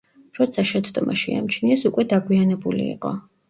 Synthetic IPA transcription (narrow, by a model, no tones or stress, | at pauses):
ɾɔt̪sʰaʃɛt̪sʰd̪ɔmaʃia̰mt͡ʃʰniɛsukʼwɛd̪aɡwianɛbulḭːqʼɔ̰